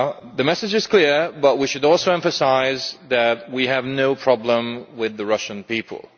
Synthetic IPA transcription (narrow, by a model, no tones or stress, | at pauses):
ðɨmɛsɨd͡ʒɨz̥kʰl̥ɪɹbʌt̚wiʃɨɾɔlˠsoʊɛ̃ɱfɨsaɪzðɨt̚wiɨvnoʊpʰɹ̥ɑblə̃mwɪðɨɹʌʃə̃npipʰə̰l̩ˠ